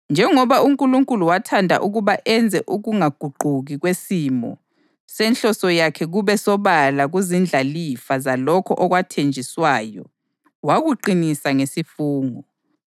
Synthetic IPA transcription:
nd͡ʒʱɛŋɔβauŋkʼuluŋkʼuluwatʰandʱa̰ʔuɣuβaʔɛnd͡zʱɛʔuɣuŋaɡ̥ʱuɡ͡ǃʱuɣiɣwesimɔ̰ | sɛnɬɔsɔjakʰɛɣuβɛsɔβalaɣuzind͡ɮʱalifazalɔkʰɔ̰ʔɔɣwatʰend͡ʒʱiswaːjɔ̰ | waɣuǃinisaŋesifuːŋɔ

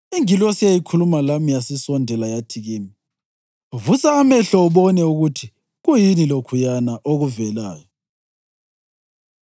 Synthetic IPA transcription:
iŋilwɔsijajikʰulumalamijasisɔndʱɛlajatʰiɣiːmi | vusaːmɛɬɔuβɔnɛuɣutʰi | ɣujinilokʰujanaʔoɣuvɛla̰ːjɔ

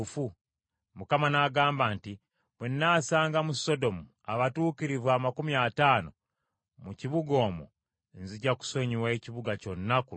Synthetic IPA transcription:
fu | mukamanaːɡaːmbaːnti | βwenːaːsaːŋɡamuso̞do̞mu | aβatuːkiɾivwaːmakumiataːno | muciβuɡo̞ːmo̰ | nziɟaku̥so̞ɲiweciβuɡaco̞nːaku

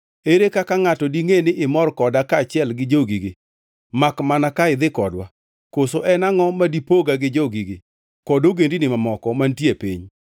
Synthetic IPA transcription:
eɾekakaŋatɔdiŋenɪʔɪmɔrkɔdakat͡ʃɪɛlɡɪd͡ʒoɡiɡɪ | makmanakaɪd̪ɪkɔdwa | kosoʔɛnaŋɔmadipoɡaɡɪd͡ʒoɡiɡɪ | kɔdoɡendinɪmamɔkɔmantjepḭɲ

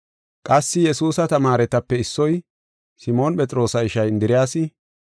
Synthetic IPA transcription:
kʼɐsːɪjɛsuːsɐt̪ɐmaːɾɛt̪ɐpːɛɪsːɔj | sɪmo̞ːnpʼɛt͡sʼɪɾo̞ːsɐɪʃɐjɪnd̪ɪɾɪjaːsɪ

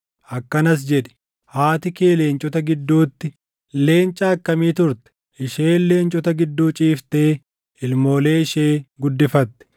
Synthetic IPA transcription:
ʔɐkːɐnɐs̬d͡ʒɛᶑɛ̥ | haːt̪ɪke̞ːleːnt͡ʃʼɔt̪ɐɡɪd̪ːuːt̪ːɪ | le̞ːnt͡ʃʼaːkːɐmiːt̪ʊɾt̪ɛ̥ | ʔɪʃeːlːe̞ːnt͡ʃʼɔt̪ɐɡɪd̪ːuːt͡ʃʼiːft̪eː | ɪlmo̞ːle̞ːɪʃeːɡʊd̪ːɪfɐt̪ːɛ̥

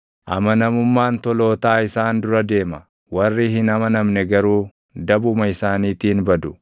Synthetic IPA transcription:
ʔɐmɐnɐmʊmːaːnt̪ɔlo̞ːt̪aːɪsaːnd̪ʊɾɐd̪e̞ːmɐ | wɐrːihɪnɐmɐnɐmnɛɡɐɾuː | d̪ɐbʊmɐɪsaːniːt̪iːnbɐd̪ʊ

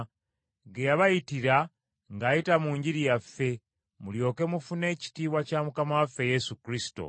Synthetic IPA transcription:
ɡejaβajitiɾa | ŋɡaːjitamuːɲɟiɾijafːe̞ | muljo̞ːke̞mufune̞ːci̥tiːβwacamukamawafːe̞je̞sukɾisi̥to̰

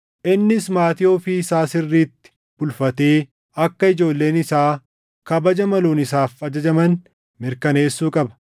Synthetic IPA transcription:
ʔɪnːɪsmaːt̪ɪjoːfɪsaːsɪrːiːt̪ːɪ̥ | bʊlfɐt̪e̞ː | ɐkːɐɪd͡ʒo̞ːlːe̞ːnɪsaː | kɐbɐd͡ʒɐmɐloːnɪs̬aːfɐd͡ʒɐd͡ʒɐmɐn | mɪɾkɐne̞ːsːuːkʼɐbɐ̥

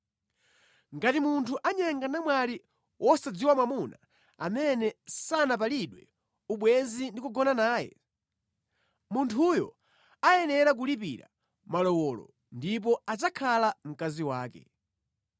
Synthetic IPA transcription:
ŋɡatimuntʰuʔaɲaŋɡanamwaɾi | wʔɔsad͡ziwamwamuna | a̰mɛnɛsanapaliɗwɛ̰ | uɓwɛzindikuɡɔnanaːjɛ̰ | muntʰujɔ̰ | ajɛnɛɾak̬ulipiɾa̰ | malɔwɔlɔ̰ | ndip̬ɔat͡ʃakʰalam̩kaziwaːkɛ̰

